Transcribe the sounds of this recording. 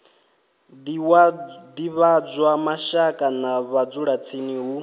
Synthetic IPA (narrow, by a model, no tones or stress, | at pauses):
d̪iβad͡zwamaʃakʼanaβad͡zuɺat͡sʰiniɦu